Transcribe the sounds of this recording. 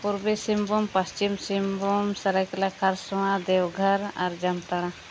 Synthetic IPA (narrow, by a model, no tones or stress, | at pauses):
puɾbisimbumpɐst͡ʃimsimbumsɐɾəklakʰaɾsuãd̪eːwɡʱɐɾɐ̰ɾd͡ʒɐmt̪ɐɽã